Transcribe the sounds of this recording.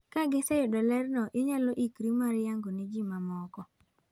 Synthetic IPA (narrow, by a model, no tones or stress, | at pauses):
kaɡɪsɛjodɔlɛɾnɔʔɪɲaloʔikɾimaɾjaŋɡonid͡ʒimamɔkɔ